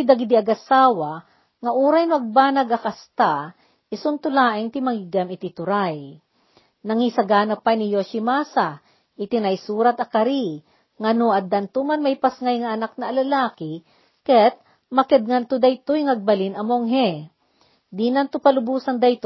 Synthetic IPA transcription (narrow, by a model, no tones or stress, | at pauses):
jd̪ɐɡid̪iɐɡɐsaːwa | ŋɐʔuːɾajnʊɐɡ̚baːnɐɡɐkɐst̪a | ʔɪsʊnt̪ʊlaːʔɪnt̪ɪmɐŋiɡamɪt̪ɪt̪ʊɾaj | nɐŋisɐɡaːnɐpajnɪjoʃimaːsa | ʔɪt̪ɪnajsuːɾat̪ɐkɐɾi | ŋɐnoʔɐd̪ɐnt̪umanmɐjpɐsŋajŋɐʔːnak̚nɐːlɐlaːkɪ | kɛt̪̚ | mɐkɛd̪̚ŋant̪ʊd̪ɐjt̪ojŋɐɡ̚bɐlinɐmoŋɦɛ | d̪inɐnt̪ʊpɐlʊbuːsɐŋd̪ɐjt̪